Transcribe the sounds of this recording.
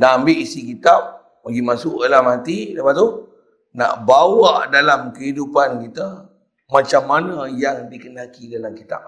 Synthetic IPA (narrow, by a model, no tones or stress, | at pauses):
naambɪʔisikit̪ap̚ | maɡimasʊʔəlamat̪idəpat̪ːu | na̰ʔbawaʔdalamkəɦidupankit̪ə | mat͡ʃamːanajaŋdikənakidalamkit̪a̰p̚